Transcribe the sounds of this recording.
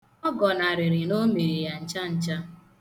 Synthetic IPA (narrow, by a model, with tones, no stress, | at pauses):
ɔ˦ɡɔ˨na˨ɾɪ˨ɾɪ˨no˦me˨ɾi˨ja˨n̩˨t͡ʃa˦n̩˨t͡ʃa˦